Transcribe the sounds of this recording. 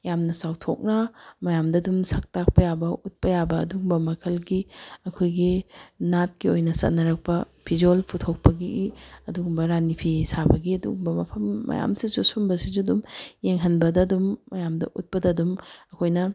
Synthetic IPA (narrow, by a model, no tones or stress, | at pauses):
jamnɐsawtʰok̚nɐmɐjamdɐdumsɐk̚tak̚pɐjabɐʔut̚pɐjabɐːduɡbɐmɐkʰɐlɡiɐkʰojɡinat̚kiojnɐsɐ̰t̚nɐɾɐk̚pɐ | pʰid͡ʒolpʰutʰok̚pɐɡiʔɐduɡumbɐɾanipʰisabɐɡiɐdṵɡmbɐmɐpʰɐmːɐ̰ja̰msisusumbɐsizudumjeŋɦɐnbɐdɐdumːɐjamdɐ̰ʔut̚pɐdɐdumɐkʰojnɐ